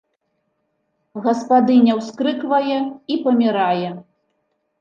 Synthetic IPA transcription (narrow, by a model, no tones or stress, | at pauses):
ɣɐspad̪ɨnʲɛwskɾɨkvɐjɛipɐmʲiɾajɛ